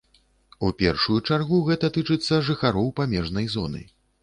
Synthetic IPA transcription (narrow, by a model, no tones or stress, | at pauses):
upʲɛrʂujut͡ʂarɣuɣɛt̪ɐt̪ɨt͡ʂɨt̪sːɐʐɨxaɾɔwpamʲɛʐnɐjzɔ̰nɨ̰